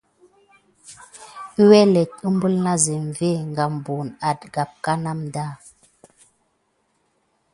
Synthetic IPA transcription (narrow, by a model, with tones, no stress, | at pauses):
i˦wɛ˦lɛ˨t̚ə˦m˦bu˦lna˦ze˨ɱ˨ve˦˨ŋɡa˨m˨bu˨na˨tɡa˨p̚ka˦na˦mda˦˨